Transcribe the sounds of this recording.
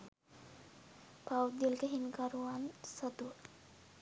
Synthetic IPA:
pawd̪jəlkəɦinkaɾuʋansət̪u

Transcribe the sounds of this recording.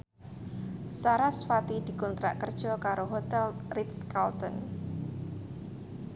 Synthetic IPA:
saɾasfat̪id̪̥i̤kɔnt̪ɾa̰ʔkərd̥ʒ̥ɔkaɾoɦot̪ɛlrit̪skalt̪ɔn

